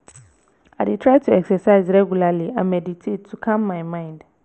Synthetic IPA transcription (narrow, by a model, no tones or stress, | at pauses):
aditʰɹaɪtʰuɛksɛsaɪzɹɛɡjulaliãmɛditʰettʰːukʰãmːaɪmãɪ̃nd